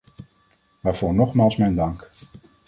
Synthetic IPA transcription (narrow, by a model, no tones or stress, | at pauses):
ʋaːɹv̥ʊːɹnɔχmaːlˠsmɛjndɑŋk